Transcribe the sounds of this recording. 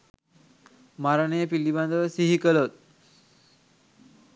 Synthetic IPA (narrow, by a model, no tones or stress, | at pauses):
maɾənejəpilːiband̪əʋəsiɦikəlot̪̚